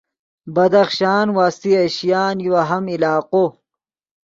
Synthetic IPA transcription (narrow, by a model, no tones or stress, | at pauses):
bɐd̪ɐxʃaːnwaːst̪iɐɕjaːnjuwaɦɐmilaːqo